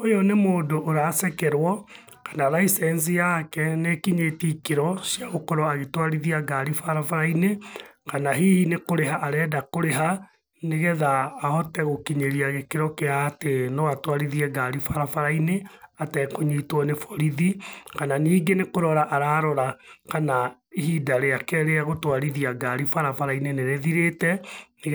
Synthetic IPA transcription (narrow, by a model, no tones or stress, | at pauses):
ojɔnemoːdoʔːɾasɛkɛɾwɔ | kḁnalaisɛnsijakɛnekiɲetikeɾɔsjaɣokɔɾɔaɣetwaɾiðiaɡaɾifaɾafaɾainekanaɦihinekoɾeɦaʔaɾɛːdakoɾeɦa | neɣɛðaːhɔtɛɣokiɲeɾiaɣekeɾɔkeaːtenoatwaɾiðiɛɡaɾifaɾafaɾaineatɛkoɲitwɔnefɔɾiðikananiːɡenekoɾɔɾaʔaɾaːɾɔɾakana | ihidaɾeakɛɾeaɣotwaɾiðiaɡaɾifaɾafaɾaineneɾeðiɾetɛn